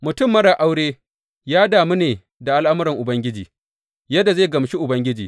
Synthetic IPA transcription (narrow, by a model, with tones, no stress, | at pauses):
mʊ˨tʊ˦mːɐ˦ɽaː˨ʔa˦wɽeː˦ | jaː˦daː˨mu˦neː˨ | da˨ʔa˦lʔa˦mʊ˦ɾɪ˨ŋʔʊ˨bɐ˦ŋɡʲɪ˦d͡ʒiː˨ | jɐ˦da˨zeː˦˨ɡɐ˨mʃi˦ʔʊ˨bɐ˦ŋɡʲɪ˦d͡ʒiː˨